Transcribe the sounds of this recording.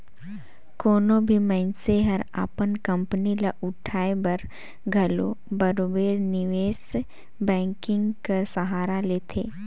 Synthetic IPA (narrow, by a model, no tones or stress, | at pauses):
koːnõbʱimɛ̃ɪnseɦəɾa̰ːpənkə̃mpnilaʔʊʈʰaːebɐɾ | ɡʱɐlobɐɾoːbeːɾnɪʋeːs | bɛ̃ːŋkɪ̃ŋɡkəɾsəɦaːɾaleːt̪ʰeː